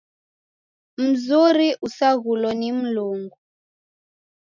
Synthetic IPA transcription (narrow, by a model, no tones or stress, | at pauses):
m̩zuɾiʔusaɣulɔnim̩luŋɡu